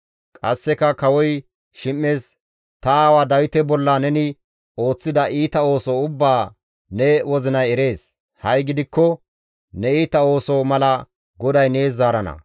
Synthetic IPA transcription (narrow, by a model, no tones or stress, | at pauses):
kʼɐsːɛkɐkɐwɔj | ʃɪmːe̞ːs | t̪ɐaːwaːd̪ɐwɪt̪ɛbɔlːɐnɛnɪ | o̞ːt͡sːɪd̪ɐʔiːt̪ɐo̞ːsɔʊbːaː | nɛwɔzɪnɐjɛɾe̞ːs | hɐjɡɪd̪ɪkːɔ | nɛiːt̪ɐo̞ːsɔmɐlɐ | ɡɔd̪ɐjne̞ːzːaːɾɐnɐ̰